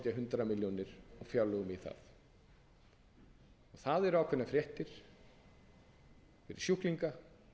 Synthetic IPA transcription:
t̪jaɦʏnt̪ɾamiljɔnɪɾ̥ɔɣfjalːœɣʏmiθa̰θ | ɔɣθaðɛɾaːwkʰvɛɾnafɾjɛht̪ɪɾ̥ | fɪɾɪ̰̥sjuhkliŋka

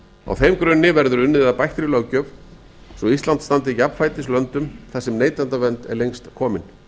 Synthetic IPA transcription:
a̰wθejmkɾʏnːɪvɛɾðʏɾʏnːɪððapajht̪ɾɪlœːwcœv | sɔist̪lant̪st̪ant̪ɪjapn̥fajt̪ɪslœnt̪ʏmθasɛmneːjt̪ant̪avɛnt̪ɛ̰ɾlejŋst̪kʰɔːmɪn

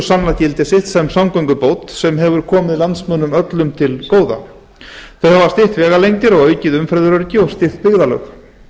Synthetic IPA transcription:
sanlacɪlt̪ɪsɪht̪sɛmsawŋkœjŋkʏpoːwt̪sɛmɦɛvʏɾ̥kʰɔːmɪðilant̪smœnːʏmœt̪lʏmt̪ʰɪlkoːwða̰ | θœɥhavast̪ɪht̪vɛːɣalejŋt̪ɪɾɔɣœɥcɪðʏmfɾɛðʏɾœɾcɪɔst̪ɪht̪̚pɪɣðalœ̰x

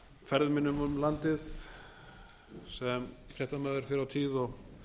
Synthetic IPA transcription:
fɛɾðʏmɪnːʏmʏmlant̪ɪð | sɛmfɾɛht̪amœːðʏɾ̥fɪɾawt̪ʰiːðɔɣ

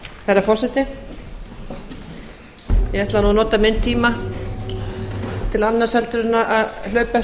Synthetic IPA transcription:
hɛɾafɔr̥sɛt̪ɪ | jɛɣɛht̪lanuːanɔːt̪amɪnt̪ʰiːma | t̪ʰɪlanːasɛlt̪ʏɾɪnːaʔaðlœːɥpa

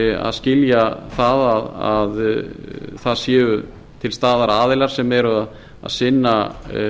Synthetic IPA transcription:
a̰ðscɪljaθaðaðað | θaðsjɛːʏ | t̪ʰɪlst̪aːðaɾaːðɪlaɾ̥sɛmɛɾʏað | a̰ðsɪnːa

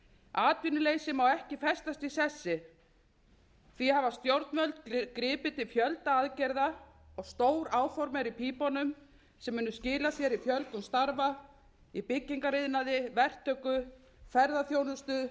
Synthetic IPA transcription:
aːt̪vinʏleːjsɪmawɛhcɪfɛst̪ast̪isɛsːɪ | θihavast̪jowɾt̪nvœlt̪kɾɪːpɪt̪ɪlfjœlt̪aaðcɛjɾða | ɔɣst̪oːwɾaːwfɔɾmɛɾipʰiːpɔnʏm | sɛmːɪːnʏscɪːlaθjɛɾifjœlt̪ɔst̪aɾva | ipɪcːiŋkaɾɪðnaðɪvɛr̥t̪ʰːœkʏ | fɛɾðaθjownʏst̪ʏ

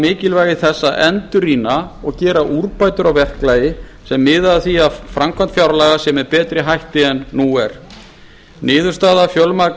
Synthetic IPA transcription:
mɪːcɪlvaːjɣɪθɛsːaʔɛnt̪ʏɾiːnaɔɣcɛːɾaʔuɾpaːjt̪ʏɾawvɛhklaːjɪsɛmːɪːðaðθiafɾamkʰant̪fjawɾlaːɣasɛmɛɾpɛːt̪ɾɪɦajht̪ɪɛnːuɛɾ̥ | nɪːðʏɾ̥st̪aːðafjɔlmaɾ

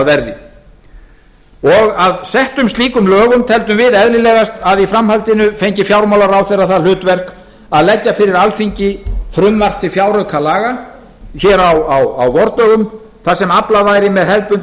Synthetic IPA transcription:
vɛɾðɪ | ɔɣaðsɛht̪ʏmst̪liːkʏmlœːɣʏmt̪ʰɛlt̪ʏmvɪðɛðlɪlɛːɣast̪aðifɾamhalt̪ɪnʏfejɲcɪfjawɾmawlaɾawθɛjraðθaðl̥ʏːt̪vɛr̥k | aðlɛcːafɪɾɪɾalfiɲcɪfɾʏmːar̥t̪ɪfjawɾœkʰalaːɣa | çɛːɾawawawvɔɾt̪œːɣʏm | θasɛmaplavaːjɾɪmɛðɦɛlpʏn

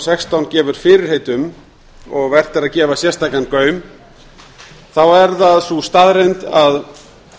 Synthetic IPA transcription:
sɛkst̪awncɛːvʏɾ̥fɪːɾɪɾ̥heːjt̪ʏm | ɔɣvɛr̥t̪ɪɾaðcɛːvasjɛ̥st̪aːkankœːɥm | θawɛɾðaðsust̪aːðɾejnt̪að

